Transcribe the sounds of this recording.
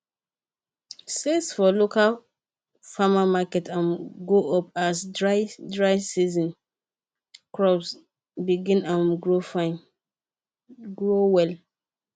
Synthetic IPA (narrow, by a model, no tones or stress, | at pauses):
sesfɔlokal | famamakɛtãnɡoʔɔpasdɹadɹaɪsizɔ̃n | kɹɔps | biɡĩnãnɡɹofãɪn | ɡɹowɛl